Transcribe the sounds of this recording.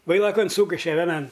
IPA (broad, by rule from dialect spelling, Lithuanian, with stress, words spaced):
ˈʋɐɪlˠɐkɐn ˈsuːkʲɪʃʲɛ ʋʲɛˈnɐn